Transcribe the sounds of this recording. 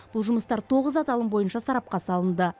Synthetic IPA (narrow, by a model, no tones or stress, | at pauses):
b̥ʊlˠʒʊməst̪ɑɾt̪ʰo̞ʁəzɑt̪ɑlˠəmbo̞jənʃɑsɑɾɑp̚qɑsɑlˠənd̪ə